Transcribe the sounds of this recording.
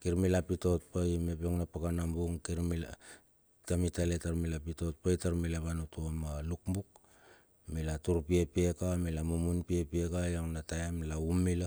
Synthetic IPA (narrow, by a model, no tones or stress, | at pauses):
kiɾmilapito̞t̚pajmepoŋnapakanambuŋkiɾmil | tamitaletaɾmilapito̞t̚pajtaɾmilaβanutumalukmbuk̚ | milatuɾpiepiekamilamumunpiepiekajoŋnatajamlaumːila